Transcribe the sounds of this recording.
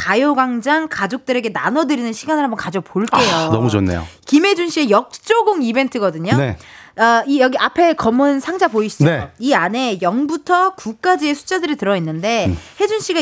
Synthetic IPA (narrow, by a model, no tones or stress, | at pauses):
kajoɡaŋd͡ʑaŋkad͡ʑok̚t͈ɯɾe̞ɡe̞nanʌdɯɾinɯnɕʰiɡanɯɭɦambʌnkad͡ʑopoɭk͈e̞jonʌmud͡ʑʌnːḛjo̰kimɦe̞d͡ʑunɕ͈ie̞jʌk̚t͡ɕ͈oɡɯŋibe̞ntʰɯɡʌdɯɲoneaijʌɡiapʰe̞kʌmɯnsʰaŋd͡ʑapoiɕ͈ʰi̥d͡ʑneoiane̞jʌŋbutʰʌkuk̚k͈ad͡ʑie̞sʰu̥t͡ɕ͈adɯɾitɯɾʌinːɯnde̞he̞d͡ʑunɕ͈iɡa